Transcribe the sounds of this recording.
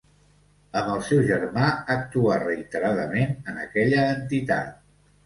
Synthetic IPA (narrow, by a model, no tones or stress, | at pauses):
əməlˠsɛwʒərmaək̚t̪uarəit̪əɾaðəmenənəkɛʎəːnt̪it̪a̰t̪̚